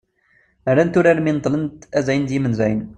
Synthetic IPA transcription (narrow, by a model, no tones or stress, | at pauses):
əɾænt̪ʊɾæɾmint̪ˤlənt̪æzæjənd̪imənzæjn